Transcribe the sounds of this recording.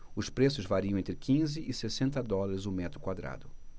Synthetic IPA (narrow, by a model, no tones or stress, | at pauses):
ʊspɾesʊzvaɾiɐ̃w̃ẽt̪ɾɪkʰĩzɪʔɪsesẽnt̪ɐd̪ɔlɐɾɪzʊmɛt̪ɾʊkwad̪ɾa̰d̪ʊ